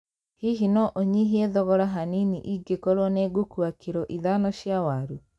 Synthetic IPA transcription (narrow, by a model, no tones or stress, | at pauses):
hiɦinɔʔoɲiɦiɛðɔɣɔɾaɦaniniʔiɡekɔɾwɔnɛɡokuakeɾɔʔiðanɔʃiawaɾu